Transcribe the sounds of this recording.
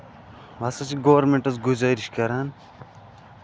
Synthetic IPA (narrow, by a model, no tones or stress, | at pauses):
ʋɐsɐt͡ʃiɡoʋɐɾmeɳʈɐt͡sɡuzaːɾiʃkɐɾaːn